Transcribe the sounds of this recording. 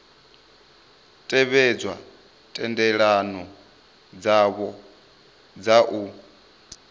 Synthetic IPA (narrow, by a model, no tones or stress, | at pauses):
tʼɛβɛd͡zwa | tʼɛndɛɺanɔ | d͡zaβɔ | d͡zaʔu